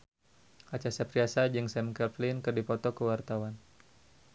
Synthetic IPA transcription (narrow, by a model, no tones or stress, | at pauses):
ʔat͡ʃasapɾiasad͡ʒɨŋsɛmkɛlflinkɨrdipɔt̪ɔkəwart̪awan